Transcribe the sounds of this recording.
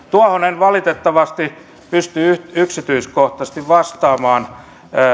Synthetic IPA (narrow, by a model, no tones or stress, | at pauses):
t̪uɑhonenʋɑlit̪et̪ːɑʋɑst̪i | pyst̪yyyksit̪yiskoht̪ɑst̪iʋʋɑst̪ɑːmɑːn